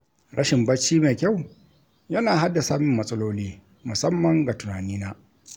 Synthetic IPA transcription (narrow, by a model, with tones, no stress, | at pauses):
ɽɐ˦ʃɪ˨mbɐ˦t͡ʃːiː˦meː˨kʲa˦˨w | jɐ˦naː˨ɦa˦dːa˨saː˦mɪ˨mːɐ˦sʼɐ˦loː˦liː˦ | mʊ˨sɐ˦mːɐ˨ŋɡa˨tʊ˨naː˨niː˦naː˦